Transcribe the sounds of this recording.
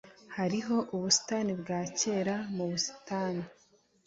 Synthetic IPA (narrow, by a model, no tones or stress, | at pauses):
haɾiɦo̞ʔuβusi̥tanibɡaːce̞ːɾamuβusi̥taːni